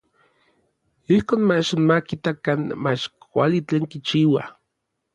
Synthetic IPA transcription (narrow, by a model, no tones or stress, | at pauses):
ihkoːnmaʃonmakit̪akanmat͡ʃkʷa̰lit͡ɬeːŋkit͡ʃiwa̰